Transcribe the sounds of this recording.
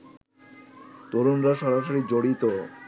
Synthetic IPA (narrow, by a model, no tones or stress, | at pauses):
t̪oɾonɾaʃɔɾaʃoɾid͡ʑoɽit̪o